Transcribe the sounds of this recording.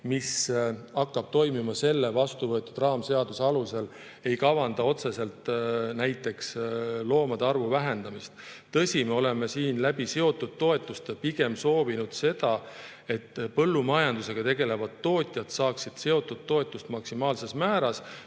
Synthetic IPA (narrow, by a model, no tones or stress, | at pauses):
misɑkːɑb̥t̪o̞jmimɑse̞lːevɑst̪uvɤ̞e̞t̪ːˑud̪rɑːmse̞ɑd̪useɑluse̞l | e̞jkɑvɑnd̪̥ɑo̞t̪se̞se̞lt̪næjt̪ːˑe̞kslo̞ːmɑd̪eɑrvuvæɦe̞nd̪̥ɑmist̪t̪ɤ̞sʲimeo̞le̞mesiːnlæb̥ise̞o̞t̪ːˑud̪̥̚t̪ːo̞e̞t̪ːˑust̪piɡ̥e̞mso̞ːvinud̪̥se̞d̪̥ɑ | e̞t̪ːpɤlːumɑjɑnd̪̥use̞ɡ̥ɑt̪e̞ɡe̞le̞vɑd̪ːo̞ːt̪ʲˑjɑt̪sɑːksid̪̥se̞o̞t̪ːˑud̪̥t̪ːo̞e̞t̪ːˑust̪mɑksimɑːlse̞smæːɾɑs